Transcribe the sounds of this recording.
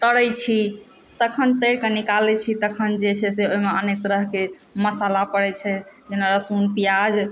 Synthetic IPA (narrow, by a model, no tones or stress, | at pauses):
t̪əɽət͡ʃʰi | t̪əkʰənt̪əɽkenikalɛt͡ʃʰit̪əkʰənd͡ʒet͡ʃʰɛseoimeənek̚t̪ɾəɦke | məsalapəɽɛt͡ʃʰɛd͡ʒenaɾəsunpijad͡ʒ